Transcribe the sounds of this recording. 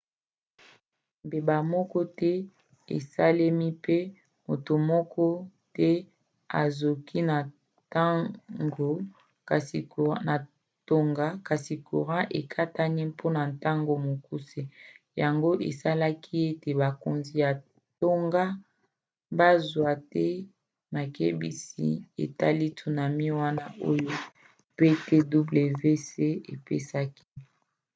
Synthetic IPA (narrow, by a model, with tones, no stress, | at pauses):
mbe˨ba˨mɔ˦kɔ˦tɛ˦ | ḛ˨sa˦le˦mi˦pe˦ | mo˨to˨mɔ˦kɔ˦tɛ˦ | a̰˨zo˨kʰi˦na˨ | ta˦ŋɡo˨ | ka˨si˨ko˨˦na˨ | to˨ŋɡa˦ka˨si˨kʰo̰˨ʁã˦ʔe˨kʰa˦ta˦ni˦pʰo˦na˨nta˦ŋɡo˨mo˨ku˦se˦ | ja˨ŋɡo˦ʔḛ˨sa˦la˦kʰi˦e˦te˨ba˨ko˨nzi˨ja˨ | to˦ŋɡa˦ | ba˦zwa˨tɛ˦ | ma˨ke˦bḭ˦sḭ˦ḛ˨ta˦li˦tʰu˨na˨mi˦wa˦na˦ʔo˦jo˦ | pe˦te˦du˦ble˨ve˦se˦e˨pḛ˦sa˦ki˦